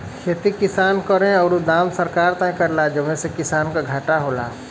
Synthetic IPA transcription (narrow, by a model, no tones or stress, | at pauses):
kʰeːt̪ikɪsaːnkɔɾẽɔːɾud̪aːmsəɾkaːɾt̪ãkəɾlad͡ʒəʋẽsekɪsaːnkaɡʱaːʈaɦoːla̰ː